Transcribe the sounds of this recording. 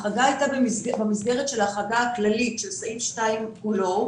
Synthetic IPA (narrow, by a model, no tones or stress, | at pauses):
χaɡaajtabebamisɡeʁet̪ʃe̞laaχaɡaaklalitʃelsimʃtaimkulo